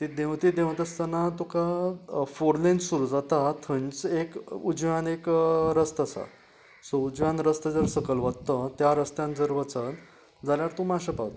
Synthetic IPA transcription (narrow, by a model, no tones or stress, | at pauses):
t̪id̪ewt̪id̪ẽwt̪əst̪anat̪ukafoɾlẽnsuɾuːd͡zat̪at̪ʰəɲt͡sekud͡zʋjanekɾəst̪əsa̰ | soud͡zʋjãnɾəst̪əd͡zəɾsəkəlʋəd̪t̪ət̪jaɾəst̪jãnd͡zəɾʋət͡sən | d͡zaljaɾt̪ũmaɕəpawt̪